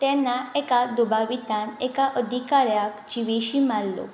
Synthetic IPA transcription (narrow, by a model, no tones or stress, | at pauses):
t̪ɛnaɛkad̪ubaʋit̪anɛkaʔəd̪ʱikaɾjakd͡ʒiʋeɕimalːo̰